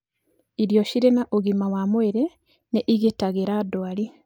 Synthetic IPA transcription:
iɾjoʃiɾenaʔoɣimawamweɾe | neʔiɣetaɣeɾadoali

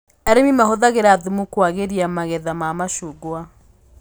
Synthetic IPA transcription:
ɛɾemimaɦoðaɣeɾaðumukwaɣeɾiamaɣɛðamamaʃuɡwa

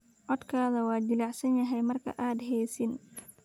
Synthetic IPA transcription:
ʔɔd̪kʰaːðɐwɑːd͡ʒɪlaʕsɐnjɐɦɛjmɐrkʰɐ̰ʔaːd̪ɦɛːsɪn

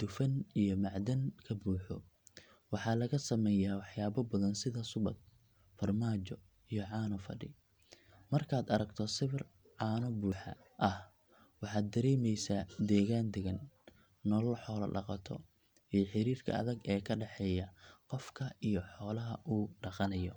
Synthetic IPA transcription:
d̪̥ʊfɐnijɔmɑʕd̪ɐŋkʰɐbuːħɔ̰ | wɑħɑːlɐɣɐsɐmɛːjaːwɑħjaːβɐbɐðɐnsɪðɐsʊβɐd̪̚ | fɐrmaːt͡ʃɔ | ijɔʕɑːnɔfɐ̰ɖɪ | mɐrkʰaːd̪ɐɾɐɡt̪ʰɔsɪβɪr | ʕɑːnɔbuːħɐ̰ | ʔɐh | wɑħɑːd̪ːɐɾɛːmɛjsad̪ɛːɣaːnd̪ɛɣɐn | nɔlɐlħɔːlɐ̰ɖɑ̰qɑt̪ʰɔ̰ | ijɔħɪɾiːrkʰɐ̰ɐ̰ðɐɡɛːkʰɐɖɛħɛːjɐqɔfkʰɐijɔħɔːlɐɦɐʔuːɖɑqɑnɐjɔ

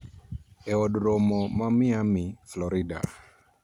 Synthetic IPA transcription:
ɛɔdɾɔmɔmamɪamɪflɔɾɪda̰

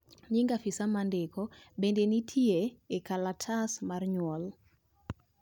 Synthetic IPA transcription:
ɲɪŋɡafisamandekɔbendenitʰieːkalatʰasmarɲwɔl

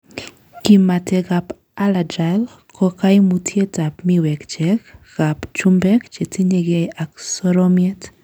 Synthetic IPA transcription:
kimatɛɣap | aladɾal | kʰɔkajmutʰjetapmiwɛkt͡ʃɛkɣ̥apt͡ʃumbɛkt͡ʃɛtʰiɲɛɡɛjaksɔɾɔmjɛt

